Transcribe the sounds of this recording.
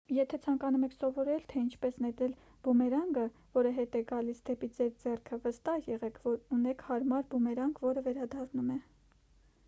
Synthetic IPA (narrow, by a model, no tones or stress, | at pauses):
jɛt̪ʰɛt͡sʰɑŋkɑnumɛkʰsɔvɔɾɛlt̪ʰɛint͡ʃʰpɛsnɛt̪ɾɛl | b̥umɛɾɑŋɡəvɔɾəɦɛt̪ɛɡɑlisd̪ɛpid͡zɛɾd͡zɛrkʰəvəst̪ɑhjɛʁɛkʰvɔɾunɛkʰhɑɾmɑɾbumɛɾɑŋɡvɔɾəvɛɾɑd̪ɑrnumɛ